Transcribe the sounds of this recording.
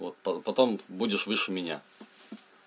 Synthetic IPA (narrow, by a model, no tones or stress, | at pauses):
vot̪̚pɐpɐt̪ombudʲɪʂvɨʂɨmʲɪnʲa̰